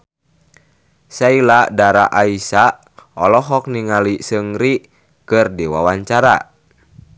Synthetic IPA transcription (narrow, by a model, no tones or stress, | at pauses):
sailadaɾaʔaisa | ɔlɔɦɔk̚niŋalisəŋɾi | kɨrdiwa̰waɲt͡ʃaɾa̰